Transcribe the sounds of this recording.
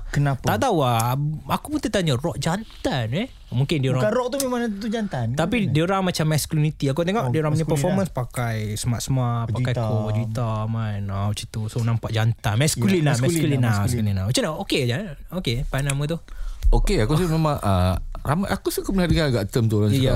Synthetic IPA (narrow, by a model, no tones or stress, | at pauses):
kənap̪aʔt̪auaakupunt̪ət̪aɲarɔʔd͡ʒant̪anɛ | muŋkɪndiɾaaɾɔʔt̪umemãnat̪ud͡ʒant̪ant̪apidiuɾaŋmat͡ʃamːɛskulinit̪iak̬ut̪eŋɔʔdiuɾaŋpəɲapəfɔmə̃nspakajsəmaʔ̪səmaʔpakajkod͡ʒit̪amanawt͡ʃit̪usonampaʔd͡ʒant̪anmɛskulinamɛskulinaskulinawat͡ʃənaoked͡ʒaokepanamut̪uokeakusimemãŋəɾamajʔakusikupənahaɾikanaɡaʔt̪əmt̪oɾonja